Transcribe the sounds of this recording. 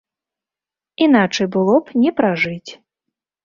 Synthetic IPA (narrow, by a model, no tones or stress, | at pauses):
inat͡ʂɐjbɨlˠɔpnʲɛpɾaʐɨt͡sʲ